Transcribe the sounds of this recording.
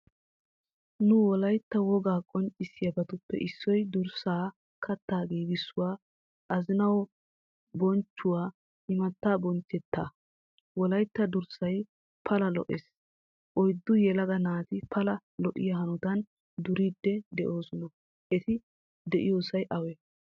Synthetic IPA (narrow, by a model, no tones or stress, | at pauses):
nʊwɔlɐjt̪ːɐwɔɡaːkʼɔnt͡ʃʼɪsɪjɐbɐt̪ʊpːɛ̰ʔɪsːɔjd̪ʊɾsaː | kʰɐt̪ːaːɡiːɡɪsːʊwaː | ʔɐzɪnɐwɔ | bɔnt͡ʃːʊwaː | ʔɪmɐt̪ːaːbɔnt͡ʃːɛt̪ːaː | wɔlɐjt̪ːɐd̪ʊɾsɐj | pʰɐlɐlɔ̰ʔeːs | ʔɔjd̪ːʊjɛlɐɡɐnaːt̪ɪpʰɐlɐlɔʔɪ̰jɐɦɐnʊt̪ɐn | d̪ʊɾid̪ːɛd̪ɛʔo̞ːsɔnɔ | ʔɛt̪ɪ | d̪ɛʔɪ̰joːsɐjʔɐwɛ